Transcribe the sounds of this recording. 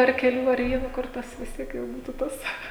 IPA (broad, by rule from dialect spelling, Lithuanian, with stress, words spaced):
ɐr kʲɛˈlʲuː ɐr ˈʋʲiɛnoː ˈkʊr tɐs ʋʲɪs ˈtʲiɛk jɛʊ ˈbuːtʊ ˈtɐs